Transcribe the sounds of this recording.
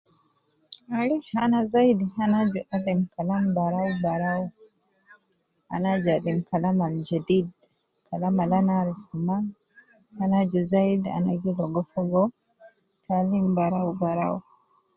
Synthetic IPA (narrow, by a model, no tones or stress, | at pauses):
aɾihanazajdihanad͡ʒuʔadimkalambaɾawbaɾaw | a̰nad͡ʒadimkalamald͡ʒadid | kalamalanaɾihuma | hanad͡ʒuzajda̰naɡilɔɡɔfɔɡɔ | tʰalimbaɾawbaɾa̰wu